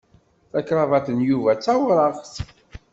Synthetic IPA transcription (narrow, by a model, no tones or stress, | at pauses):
θækɾˤɑvɑθənjuvæt͡sːæwɾˤɑʁθ